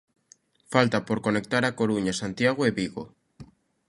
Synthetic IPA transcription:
falt̪apoɾko̞ne̞k̚t̪aɾakoɾuɲasant̪jaɣ̞weβiɣo

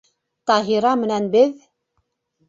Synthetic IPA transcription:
t̪ɑɦiɾˤɑmənænbəð

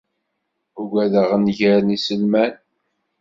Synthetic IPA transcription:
uɡæðəʁənʝəɾnisəlmæn

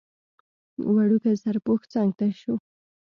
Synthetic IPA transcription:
waɽʊkasaɾpʊxt͡saŋɡ̚t̪aʃʊ

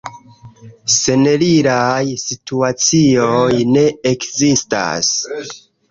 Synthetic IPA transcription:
se̞neliɾajsituat͡siojne̞ekzista̰s

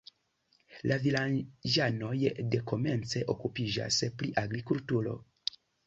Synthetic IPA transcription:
lʔavilad͡ʒano̞jde̞ko̞me̞nt͡se̞ʔo̞kupid͡ʒa̰spɾiʔaɡɾikultuɾo̞̰

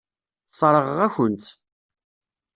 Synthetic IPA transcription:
sˤɾˤəʁʁæçənt̪

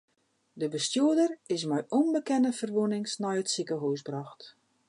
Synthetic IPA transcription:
dəbəstjuədərɪsmɛjʔonbəkɛnəfərʋunɪŋsnɔjətsikəɦuwsbrɔxt

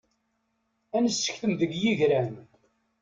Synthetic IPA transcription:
ænəsːə̥çθəmðəɡjiʝɾæn

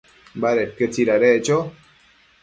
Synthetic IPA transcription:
baɾekət͡siɾaɾeʔt͡ʃo

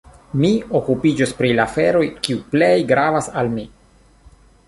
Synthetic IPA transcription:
mio̞kupid͡ʒospɾilafe̞ɾo̞jkiuple̞jɡɾavasalmi

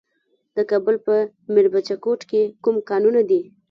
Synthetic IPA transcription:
d̪̥əkɑbəlpə | mɪɾbat͡ʃakoʈkekumkɑnunad̪i

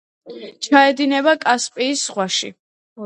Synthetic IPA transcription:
t͡ʃʰaɛd̪inɛβakʼaspʼiːsːʁwaʃḭ

